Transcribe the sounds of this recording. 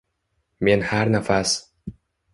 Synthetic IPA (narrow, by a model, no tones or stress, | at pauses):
minhaɾnafas